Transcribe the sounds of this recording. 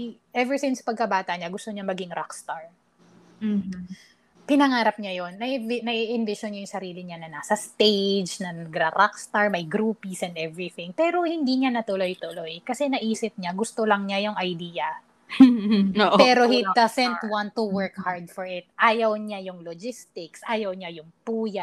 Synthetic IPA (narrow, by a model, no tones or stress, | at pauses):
ʔɛvɛɹsɪnspɐɡ̚kɐbaːt̪ɐʔɲaɡʊst̪o̞ɲamɐɡɪŋɾakst̪aɹ | m̩ːh | pɪnɐŋaːɾɐp̚ɲajonːɐʔnɐʔiʔɪnvɪʃonɲajʊŋsɐɾiːlɪɲanɐnaːsɐst̪ejd͡ʒnɐnɐɡɾɐɾakst̪aɹmɐjɡɾuːpisɛ̃nd̪ɛvɹɪθɪ̃ŋpɛːɾo̞hɪnd̪iɲanɐt̪ʊlo̞jt̪ʊlojkɐsɛnɐʔiːsɪp̚ɲaɡʊst̪olɐŋɲajʊŋʔɐjd̪iːjɐ | ʔpɛːɾohɪtd̪ɐsɛnt̪wãnt̪ːuwɛɹkhaɹd̪fɔɹʔɪt̪̚ʔaːjɐwɲajʊŋlod͡ʒɪst̪ɪksʔaːjɐwɲajʊŋpuːja